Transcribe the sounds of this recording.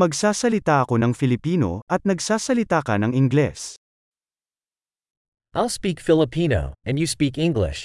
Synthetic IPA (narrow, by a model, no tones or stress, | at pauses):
mɐɡsaːsɐlɪt̪aʔɐko̞nɐŋfɪlɪpiːno̞̰ʔɐt̪̚nɐɡsaːsɐlɪt̪aːkɐnɐŋɪŋɡlɛ̰s | ʔaɪlˠspikfɪlˠəpʰĩno̰ʊɨ̃njɨspikɪ̃ŋɡlɪ̰ʃ